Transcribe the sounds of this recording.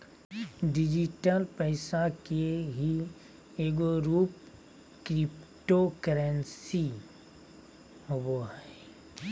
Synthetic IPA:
ɖɪd͡ʒiʈəlpɛɪsakeɦi | eːɡoɾuːp | kɾɪpʈokəɾənsi | ɦoboɦɛ

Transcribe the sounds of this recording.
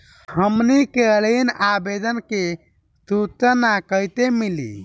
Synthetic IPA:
həmnikelinabed̪ənke | st̪ut͡ʃənakəjt̪emilḭ

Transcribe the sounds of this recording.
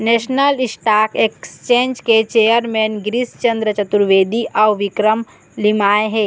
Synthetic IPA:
nesnəlisʈakekst͡ʃẽnd͡ʒket͡ʃejəɾmenɡɾist͡ʃənd̪ɾət͡ʃət̪uɾʋed̪iʔawʋikɾəm | limaeɦe

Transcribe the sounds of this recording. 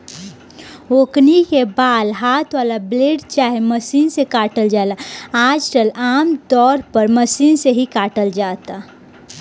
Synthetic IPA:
oknikebaːlɦaːt̪ʰwaːlableːɖt͡ʃaːɦeməsiːnsekaːʈəld͡ʒaelaaːd͡ʒʈəlaːmd̪ɔːɾpəɾməsiːnseɦikaːʈəld͡ʒaːt̪a

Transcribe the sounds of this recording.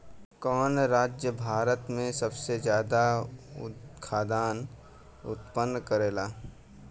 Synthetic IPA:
kɔːnɾaːd͡ʒjəbʱaːɾət̪mẽsəbsezjaːd̪aʊ̰kʰaːd̪ʱaːn | ʊ̰t̪pənːkəɾeːlaː

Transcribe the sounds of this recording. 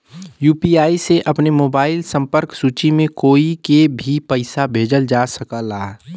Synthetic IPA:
juːpiaːiseʔɐpnemoːbaːɪlsə̃mpəɾksuːt͡ʃimẽkoːikebʱipəɪsabʱeːd͡ʒəld͡ʒaːsəkalaː

